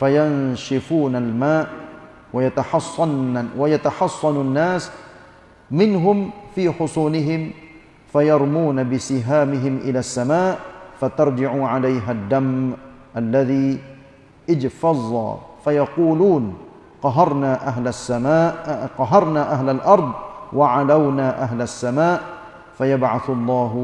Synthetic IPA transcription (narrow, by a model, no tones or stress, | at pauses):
fajanʃɪfuːnalmaːʔ | wajat̪aħɑsˤːɑwajat̪aħɑsˤːɑnnːaːs | mɪnɦʊmfiːħʊsˤuːnɪɦɪm | fajɑɾˤmuːnabɪsɪɦaːmɪɦɪmʔɪlaːsːamaːʔfat̪ɑɾˤd͡ʒɪʕuːʕalajɦad̪ːamʔalːaðiː | ʔɪd͡ʒfɑzˤːɑ̰ːfajɑquːluːn | qɑɦɑɾˤnaːʔaɦlasːamaːʔqɑɦɑɾˤnaʔaɦlalʔɑɾˤd̪ˤwaʕalawnaːʔaɦlasːamaːʔ | fajabʕaθʊlˤːɑːɦ